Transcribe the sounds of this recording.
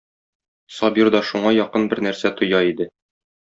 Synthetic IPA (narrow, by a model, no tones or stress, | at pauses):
sɒbiɾd̪ɑʃuɴɑjɒqɤnbɘɾnæɾsæt̪ŏjɑid̪ɘ